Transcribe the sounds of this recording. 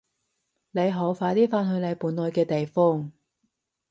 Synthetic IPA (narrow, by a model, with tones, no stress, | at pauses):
ne˨˧jɦo˨˥wfaː˨˥jt̪iː˥faː˥nhɵ˧ɥne˨˧jpuː˨˥nlɔː˨˧jkɛː˧t̪e˨jfɔː˥ŋ